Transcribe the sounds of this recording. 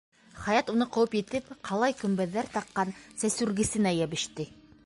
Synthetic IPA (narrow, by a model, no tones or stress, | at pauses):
χɑjɑt̪unɤqŏwɤpjɘ̆t̪ɘpqʰɑlˠɑjkɵ̆mbæðːæɾt̪ɑqːɑnsæsʉɾɡɘ̆sɘ̆næjæβɘ̆ʃt̪ɘ